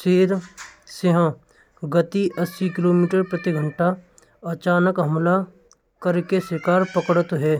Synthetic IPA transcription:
seːɾseɦãː | ɡət̪iʔəsːikɪloːmiːʈəɾpɾət̪iɡʱə̃ɳʈa | ɐt͡ʃaːnəkɦɐmla | kəɾkesɪkaːɾpəkɽət̪ɦɛː

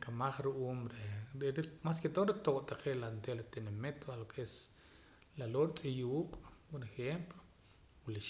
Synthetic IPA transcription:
kamaχɾuʔuːmɾeɾeɾimasket̪oɾet̪oʔʼt̪aqʰeʔlant̪elat̪enamet̪walokʰes | laloɾit͡sʼijuːqʼpoɾexemplo | wliʃ

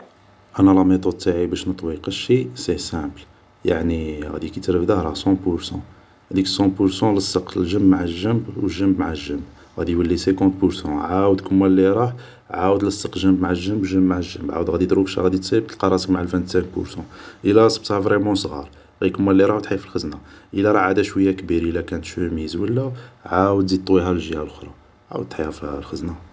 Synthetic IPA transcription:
ʔænælɑmit̪ˤod̪̚t̪aʕibæʃnət̪ˤwiqəʃisisæbl | ja̰ʕniɣæ̰d̪ikit̪ɾəfd̪əhɾˤɑsɑ̃pʊɾsɑ̰̃ | æd̪iksɑ̃puɾsɑ̃ləsːəqlʒəmbmaʕəlʒəmbwəʒːəmbmaʕalʒəmb | ɣæd̪iwəlːisækɑ̃t̪puɾsɑ̃ʕawəd̪kəmːælːiɾˤɑħ | ʕawəd̪ləsˤːəqlʒəmbmaʕalʒəmbwəʒəmbmaʕalʒəmbʕa̰wəd̪ɣæd̪it̪ɾukʃæ̰ɣæd̪it̪səəb̚t̪əlqɑɾˤɑsəkmaʕalfænt̪sæ̃k̚pʊ̰ɾsɑ̃ʔəlæɾɑsˤəb̚t̪hævɾɛmɑ̃sˤɣɑ̰ɾˤ | ɣd̪ikəmːælːiɾˤɑhwt̪ħjæfilxəznaʔəlæɾˤɑʕad̪æʃwəjːakbiɾʔəlækænət̪ʃumizwəlːæʕawəd̪it̪ˤːwiɦælʒəjælxɾˤɑ | ʕa̰wəd̪̚t̪ħijhæflxəzna

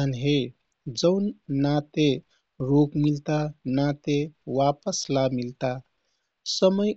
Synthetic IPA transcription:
ənɦe | d͡ʒəʊnːat̪e | ɾokmilt̪anat̪ewapəslamilt̪a | səməj

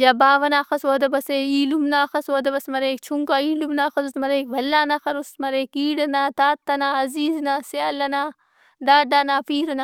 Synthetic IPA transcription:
jaːbaːʋɐnaːxɐsʋoːd̪ɐbɐseiːlumnaːxɐsoːd̪ɐbɐsmɐɾeːk̚t͡ʃʰuŋkaiːlumnaːxɐsusmɐɾeːkʋɐlːaːnɐxɐɾust̪mɐɾeːkiːɽɐnaːt̪aːt̪ːɐnaːɐziːznaseɐlɐna | ɖaːɖaːnaːpiːɾɐna

